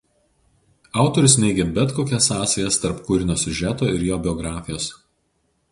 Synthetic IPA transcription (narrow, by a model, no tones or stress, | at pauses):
ɑˑʊt̪ɔɾʲʊs̬nʲɛɪɡʲebʲɛt̪koːkʲɛsɑːsʲɛjɛst̪ɐɾpkʊɾʲɪnʲoːsʲʊʒʲæt̪oːɪɾjoːbʲɪɔɡɾɑːfʲɪjoːs